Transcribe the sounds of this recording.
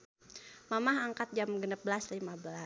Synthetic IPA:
mamaɦaŋkat̪̚d͡ʒamɡənəp̚bəlaslimabəla

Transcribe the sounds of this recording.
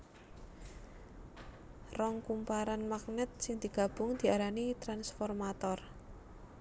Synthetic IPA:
rɔŋkumpaɾanmak̚nɛt̪̚sɪŋd̪̥i̤ɡ̥a̤b̥ʊŋd̪̥i̤aɾanit̪ɾansfɔrmat̪ɔr

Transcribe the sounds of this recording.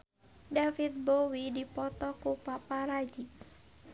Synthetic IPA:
dafit̪̚bowidipɔt̪ɔkupapaɾad͡ʒik

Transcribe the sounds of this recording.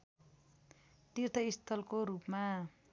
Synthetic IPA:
t̪irt̪ʌist̪ʰʌlkoɾupma

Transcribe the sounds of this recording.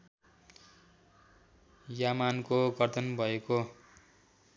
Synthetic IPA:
jamankoɡʌrt̪ʌnbʱʌeko

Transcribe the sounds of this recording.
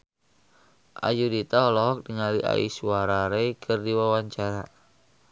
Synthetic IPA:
ʔa̰judit̪aɔlɔɦɔk̚diŋaliʔa̰ḭsuaɾaɾekʰərdiwawaɲt͡ʃaɾa

